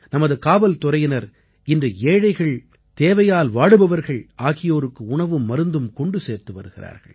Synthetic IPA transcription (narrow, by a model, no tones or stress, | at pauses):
nɐmɐðɯkaːbɐlt̪ʊɾɐjɪnɐɾ | ɪndrɯeːɻɐɪɣɐɭ | t̪eːʋɐjaːlʋaːɽɯbɐʋɐɾɣɐɭaːɣɪjoːɾɯkːɯʊɳɐʋɯmːɐɾɯnd̪ɯmkɔɳɖɯseːɾt̪ɯʋɐ̰ɾɯɣɪra̰ːɾɣɐ̰ɭ